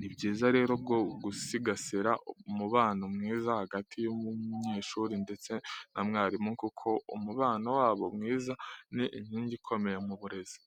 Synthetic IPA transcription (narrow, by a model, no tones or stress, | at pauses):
nibɟiːzaɾe̞ːɾob̚ɡo̞ɡusiɡaseɾaʔumuβaːnomŋiːzahaɡatʰijomuɲeːʃuːɾinde̞t͡se̞nʔamŋaːɾimuŋkukʰo̞umuβaːnowaːβo̞mŋiːzaniʔimhiːɲɟikʰo̞me̞jemuβuɾe̞zi̥